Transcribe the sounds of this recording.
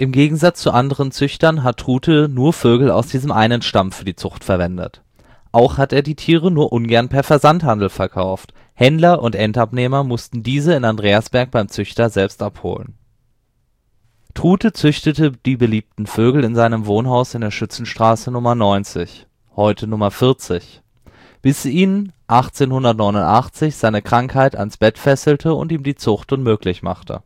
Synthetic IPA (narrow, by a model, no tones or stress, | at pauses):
ʔɪmɡeːɡŋ̩zat͡st͡suʔandəʁ̞ənt͡sʏçtɐnɦat̚ʰːʁ̥uːtʰənuːɐføːɡl̩a̰ʊsd̥iːzəmʔaɪnənʃtamfyːɐdiːt͡sʊχtfɛɐvɛndə̰t | ʔaʊxhateːɐdiːtʰiːʁ̞ənuːɐʔʊnɡɛɐnpʰɛɐfɛɐzanthandl̩fɛɐkʰaʊft | hɛndlɐʔʊntʔɛntapneːmɐmʊstn̩diːzəɪnandʁeːasb̥ɛɐk̚b̥aɪmt͡sʏçtɐzɛlpstʔapho̰ːlən | tʁ̥uːtət͡sʏçtətəd̥iːbəliːp̚tn̩føːɡl̩ɪnzaɪnəmvoːnɦaʊsɪndeːɐʃʏt͡sn̩ʃtʁ̥aːsənʊmɐnɔʏnt͡sɪç | hɔʏtʰənʊmɐfɪɐt͡sɪç | b̥ɪsiːnʔaχt͡seːnhʊndɐtnɔʏnʊntʔaχt͡sɪçz̥aɪnəkʁ̥aŋkhaɪta̰nsb̥ɛtfɛsl̩tʰəʊ̰ntiːmdiːt͡sʊχtʊnmøːklɪçma̰χtʰə̰